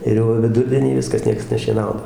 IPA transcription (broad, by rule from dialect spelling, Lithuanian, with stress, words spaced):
ɪr ˈjɛʊ ʋʲɪˈdʊrʲdʲiɛnʲiː ˈʋʲɪskɐs ˈnʲiɛks nʲɛʃʲiɛˈnɐʊnɐ